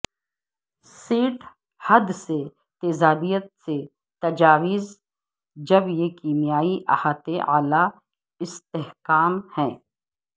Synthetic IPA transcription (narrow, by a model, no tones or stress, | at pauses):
siːʈ | hɐd̪se | t̪eːzaːb̪ijət̪̚se | t̪ɐd͡ʒaːʋɪz | d͡ʒɐbjekiːmijaːiʔɐ̰haːt̪eʔaːla | ɪst̪eɦkaːmhɛ̃ː